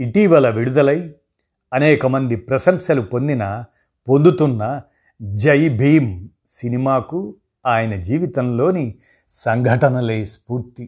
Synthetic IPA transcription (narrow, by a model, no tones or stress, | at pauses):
iʈiːʋɐlɐʋiɽud̪ɐlɐj | ɐnɛːkɐmɐnd̪ipɾɐsɐmʃɐlupo̞nd̪inɐ | po̞nd̪ut̪unːɐ | d͡ʒɐjbʱiːm | sinimaːku | aːjɐnɐd͡ʒiːʋit̪ɐmlo̞ːni | sɐŋɡʱɐʈɐnɐlejspuːɾt̪i